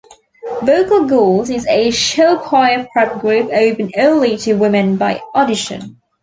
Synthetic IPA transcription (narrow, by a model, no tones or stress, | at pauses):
vəʊkəl̩ˠɡɔːlˠzɪzəʃɛlʊkʰw̥aɪəpʰɹ̥ɛp̚ɡ̥ɹʉˑpəʊbɨ̃nɜːlˠitʰəwɪ̃mɨ̃nbaɪɔɾɪʃə̰̃n